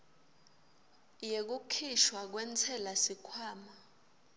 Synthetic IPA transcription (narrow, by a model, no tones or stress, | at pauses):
jek̬ukʰiʃwak̬wɛnt͡sʰɛlasikʰwaːma